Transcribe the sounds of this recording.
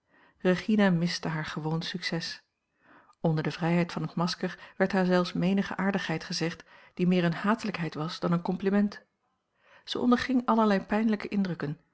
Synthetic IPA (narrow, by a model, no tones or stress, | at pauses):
reχinamɪstəɦaːɹχəʋownsyksɛs | ɔndəɹdəvrɛjɦɛjtfɑnətmɑskəɹʋɛɹtɦaːɹzɛlˠfsmejnəχə̰ʔaːɹdəχɦɛjtχəzɛχtd̥imɪːɹənhaːtələkɦɛjtʋɑsd̥ɑnənkɔmplimɛnt | z̥ə̰ɔ̰ndəɹχɪŋɑləɹlɛjpɛjnləkəʔɪndrɵkən